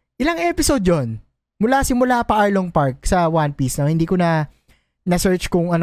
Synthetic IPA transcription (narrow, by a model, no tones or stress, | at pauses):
ʔɪlɐŋʔɛːpɪsod̪̚jon | mʊlasɪmʊlapɐʔaɹloŋpaɹk̚sɐwanpisnohɪnd̪iːkonɐ | nɐsɛɹt͡ʃkʊŋɐn